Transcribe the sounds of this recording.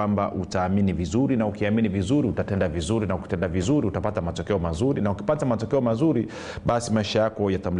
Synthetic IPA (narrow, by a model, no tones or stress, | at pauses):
amba̰ʔutaːminivizuɾinaukiaminivizuɾiutatɛndavizuɾinauki̥tɛndavizuɾiutapatamatɔkɛɔmazuɾinauki̥patamatɔkɛɔmazuɾi | ɓasimaiʃajakɔjatam̩l